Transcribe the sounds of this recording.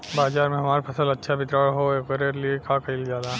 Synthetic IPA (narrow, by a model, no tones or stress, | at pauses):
baːzaːɾmẽɦɐmaːɾpʰɐsəlɐtːʃʰabʱɪt̪ɾəɭɦoekəɾeɾliekãkɐilzjaːd̪a